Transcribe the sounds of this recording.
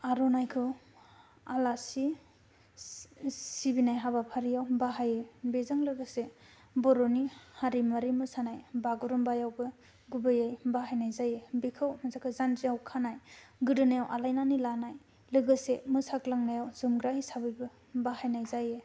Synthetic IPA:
aɾɔnajkʰɯ | alasi | sibinajɦabapʰaɾijawbaɦajebezaŋlɯɡɯse | bɔɾɔnihaɾimaɾimɯsanajbaɡɔɾɔmbajawbɯ | ɡubɯjajbaɦajnajzajebikʰɯwmazakʰɯzand͡ʒijawkʰanajɡɯdɯnajawʔalajnanilanaj | lɯɡɯsemɯsaklaŋnajawzɯmɡɾahisabɯjbɯ | bahajnajzaje

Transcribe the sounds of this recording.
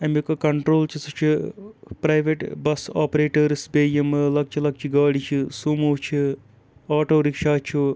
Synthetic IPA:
ɐmikɐkɐɳʈɾoːlt͡ʃʰisɐt͡ʃʰipɾɐjʋeʈbɐsaːpɾeːʈɐɾsbeːjɐmɨlɐk̚t͡ʃʰilɐk̚t͡ʃʰiɡaːɽit͡ʃʰisuːmoːt͡ʃʰi | aːʈoːɾikʂaːt͡ʃʰu

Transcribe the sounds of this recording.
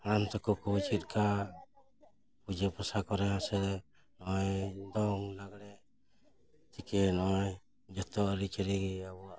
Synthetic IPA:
aɽamt̪ɔkɔkɔt͡ʃit̪̚ˀka | pud͡ʒepɔsakɔɾɛɦãsɛɾɛ | nɔjd̪ɔŋlaɡɽɛ | t̪ikɛnɔj | d͡ʒɔt̪ɔːɾit͡ʃɛɾiɡiabɔaʔ

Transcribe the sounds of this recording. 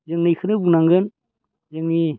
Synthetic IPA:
zəŋnijxʰɯnɯbunaŋɡɯn | zəŋni

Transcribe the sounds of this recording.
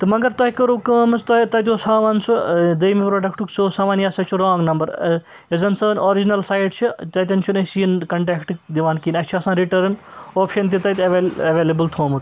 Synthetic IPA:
t̪ɨmɐɡɐɾt̪ɐɦkɐɾuːkəːmɐsʰt̪ɐt̪ɐt̪̬ʲosaːʋaːnsʰud̪ɐjmipɾoːɖɐkʈuksʰoːsaːʋaːnjaːsɐt͡ʃʰuɾãːŋɡnɐmbɐɾ | ezɐnsəːnoːɾid͡ʒinɐlsaːjɖt͡ʃʰit̪ɐt̪ʲɐnt͡ʃʰunɐsinkɐɳʈeːkʈd̪iʋaːnkiːnɐt͡ʃʰiɐsãːɾiʈɐɾnoːpʰʃɐnt̪̬it̪ɐt̪ʲɐʋeɐʋeːlɐbɨlt̪ʰoːmut̪

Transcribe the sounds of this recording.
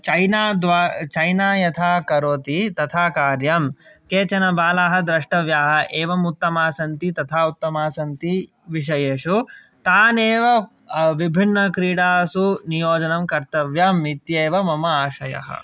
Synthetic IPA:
t͡ʃɐjnaːd̪ʋaːt͡ʃɐjnaːjɐt̪ʰaːkɐɾoːt̪it̪ɐt̪ʰaːkaːɾjɐmkeːt͡ʃɐnɐbaːlaːɦɐd̪ɾɐʂʈɐʋjaːɦɐ̆ʔeːʋɐmut̪ːɐmaːsɐnt̪it̪ɐt̪ʰaːut̪ːɐmaːsɐnt̪i | ʋiʂ̬ɐjeːʂu | t̪aːneːʋɐ | ʋibʱinːɐkɾiːɽaːsunijoːd͡ʒɐnɐmkɐɾt̪ɐʋjɐmit̪jeːʋɐmɐmɐaːʃɐjɐ̰ɦɐ̰

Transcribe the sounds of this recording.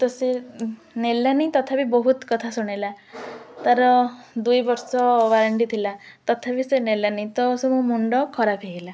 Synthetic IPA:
t̪ɔse | nelanit̪ɔt̪ʰabibɔɦut̪kɔt̪ʰasuɽ̃ela | t̪aɾɔd̪ujbɔɾsɔʋaɾaɳɖit̪ʰila | t̪ɔt̪ʰabisenelanit̪ɔsemũmuɳɖɔkʰɔɾapʰeɡila

